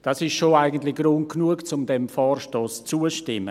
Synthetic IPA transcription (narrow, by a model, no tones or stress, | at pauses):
d̥ɑsɪʃʃoaɪɡən̩tlɪɡ̥ɾʊnt̚knuəkt͡sʊmdɛmfɔːrʃtoːst͡suəʃtɪmːə̰